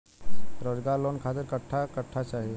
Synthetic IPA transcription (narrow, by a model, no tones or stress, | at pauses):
ɾod͡ʒɡaɾlonkʰat̪ɪɾkəʈʰːakəʈʰːat͡ʃaɦi